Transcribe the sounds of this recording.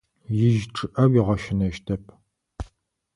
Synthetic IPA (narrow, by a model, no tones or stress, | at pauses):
jɪʒʈ͡ʂʼɨʔɐwiʁɐʃɪnɐʃtʰɐpʰ